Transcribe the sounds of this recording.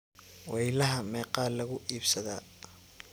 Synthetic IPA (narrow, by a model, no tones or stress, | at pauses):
wɛjlɐɦɐmɛːqɑːlɐɣʊʔiːbsɐðaː